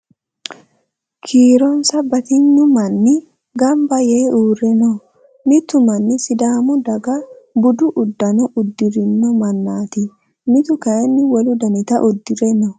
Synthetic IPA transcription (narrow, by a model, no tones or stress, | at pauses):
kʰiːɾɔnsɐbɐt̪ɪɲːʊmɐnːɪ | ɡɐmbɐjeːʔuːrɛnɔ | mɪt̪ʊmɐnːɪsɪd̪aːmʊd̪ɐɡɐbʊd̪ʊʔʊd̪ːɐnɔʔʊd̪ːɪɾɪnːɔmɐnːaːt̪ɪ | mɪt̪ʊkɐɛnːɪwɔlʊd̪ɐnɪt̪ɐʔʊd̪ːɪɾɛnɔ